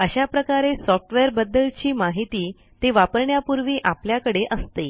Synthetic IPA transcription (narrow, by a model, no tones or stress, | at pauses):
əɕapɾəkaɾesɔfʈʋejəɾbəd̪ːəlt͡ɕiːmaɦit̪iː | t̪eʋapəɾɳjapuɾʋiːʔapljakəɽeʔəst̪e